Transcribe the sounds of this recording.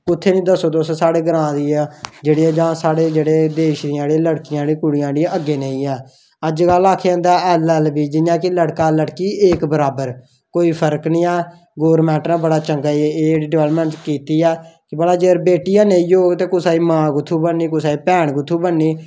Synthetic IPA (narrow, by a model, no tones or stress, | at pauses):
ʊt̪ʰːeːnĩːd̪əsoːd̪ossaːɽeːɡəɾãːd̪iːaːd͡ʒeːɽiãːd͡ʒãːsaːɽeːd͡ʒeːɽeːd̪eːʃd̪ɪãːɽeləɽkɪjãːɽiːkʊɽɪjãːd̪ɪ̃əɡːeːneĩːɛː | əd͡ʒɡəlaːkʰeə̃ːd̪aːɛːlɛːlbiːd͡ʒɪjãːkɪləɽkaːləɽkiːʔeːkbəɾaːbəɾ | koːiːpʰəɾknĩːɛː | ɡoːɾmɛ̃ːɳʈnãːbəɽaːt͡ʃəŋɡaːieːɖʋɛːləpmɛ̃ːɳʈkiːt̪iːɛːkɪbəɽaːd͡ʒeːɾbeːʈɪjãːneːioːt̪eːkʊsaːiːmãːɡʊt̪ʰːuːbənːiːkʊsaːiːpɛːɳɡʊt̪ʰːuːbənːiː